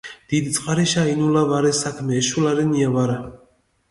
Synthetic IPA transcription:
d̪̥id̪it̪sʼqʼaɾiʃainulavaɾɛsakʰmɛːʃulaɾɛniavaɾa

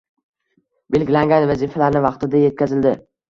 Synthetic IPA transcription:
be̞lɡʲɪlaŋɡʲanvazifalaɾnɪvɑqt̪ɪd̪aje̞t̪̚kʲʰazɪld̪ɪ

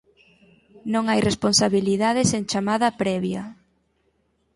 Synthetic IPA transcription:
nõŋajresponsaβiliðaðeseŋt͡ʃamaðɐpɾɛβjɐ

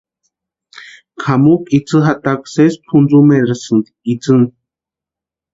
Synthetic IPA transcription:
kʰamukit͡sʰɨɦat̪aksespʰund͡zumeɾɾasɨnd̪iit͡sɨn

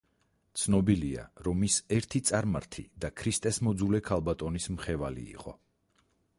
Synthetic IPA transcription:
t̪sʰnɔbilia̰ɾɔmisɛɾt̪ʰit̪sʼaɾma̰ɾt̪ʰḭd̪akʰɾist̪ʼɛsmɔd̪zulɛkʰalˠbat̪ʼɔnismχɛvalḭːqʼɔ̰

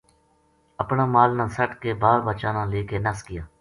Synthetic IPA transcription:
əpnãːmaːlnãːsəʈkeːbaːɾbət͡ʃãːnãːleːkeːnəskɪjaː

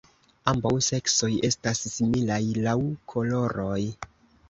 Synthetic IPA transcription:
ambawse̞kso̞je̞stasːimilajlawkʰo̞lo̞ɾo̞j

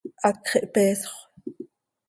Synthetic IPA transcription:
ʔɑkχiʔpeːso̥χ

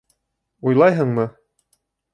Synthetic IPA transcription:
ujlˠɑjɦɤɴmɤ

